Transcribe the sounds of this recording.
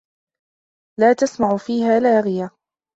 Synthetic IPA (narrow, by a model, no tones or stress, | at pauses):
laːt̪asmaʕʊfiːhaːlaːɣɪja